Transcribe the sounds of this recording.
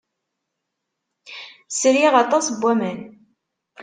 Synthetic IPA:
sɾiʁɑt̪ˤɑsbʷːæmən

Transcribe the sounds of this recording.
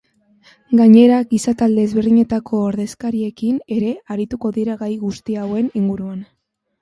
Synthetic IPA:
ɡaɲe̞ɾaɡisat̪ald̪e̞ːzβeɾðiɲe̞t̪akʰo̞ːɾðe̞skaɾie̞kine̞ɾe̞aɾit̪uko̞ðiɾaɣajɣust̪iawe̞niŋɡuɾuan

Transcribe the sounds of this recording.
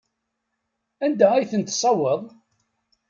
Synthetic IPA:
ænd̪ææjθənt̪sˤɑwːəðˤ

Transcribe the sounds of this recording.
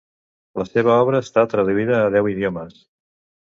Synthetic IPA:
ləseβəɔβɾəːst̪at̪ɾəðuiðəːð̞ɛwiðjoməs

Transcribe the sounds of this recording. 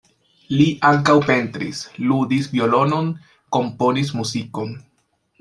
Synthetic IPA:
liʔaŋkawpe̞ntɾḭsludisvjio̞lo̞no̞n | ko̞mpo̞nis̬muziko̞n

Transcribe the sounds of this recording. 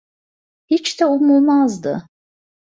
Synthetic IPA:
hit͡ʃd̪ɛumulˠmazd̪ɯ̰

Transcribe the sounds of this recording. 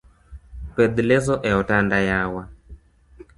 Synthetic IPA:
pɛd̪ilɛzɔʔɛɔtandajawa

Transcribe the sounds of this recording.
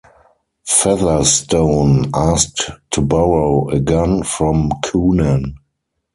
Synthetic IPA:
fɛðə˞stõʊ̃nastʰːubɔɹoʊəɡɛ̃nfɹɔ̃mkʰuːnə̃n

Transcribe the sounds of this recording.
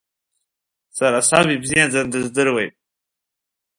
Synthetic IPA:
saɾasɑbibzijad͡zand̪əzd̪əɾwaj

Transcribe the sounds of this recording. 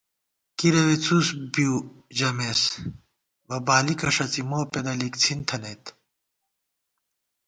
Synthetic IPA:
kiɾɐʋet͡suːsbiud͡ʑɐmes | ʋɐbaːlikɐʂɐt͡simoːped̪ɐlikt͡sʰint̪ʰɐnet̪

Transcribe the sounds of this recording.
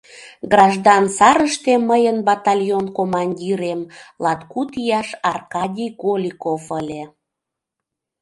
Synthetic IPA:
ɡrɑʒd̪ɑnsɑɾəʃt̪eməjənbɑt̪ɑlʲjonkomɑnʲdʲiɾemlɑt̪kut̪ijɑʃɑrkɑdʲijkolʲikofəlʲe

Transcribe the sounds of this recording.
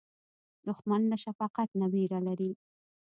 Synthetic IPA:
d̪̥ʊxmand̪əʃafɑqat̪nabiɾalaɾi

